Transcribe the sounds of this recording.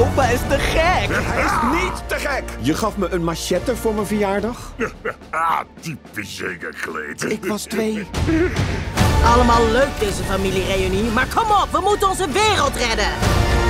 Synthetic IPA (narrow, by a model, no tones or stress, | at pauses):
opaɪstəχɛkɦɛjɪsnittəχɛkjəχɑfməʔənmaʃɛtəvʊːɹmənvəjaːɹdɑχ | atipisḛkə̰χəlḛjtɪkʋɑstʋej | ɑləmaːlˠløɥk̚dejzəfamilirejynimaːɹkɔmɔpʋəmutənɔnzəʋɪːrəlˠtrɛdən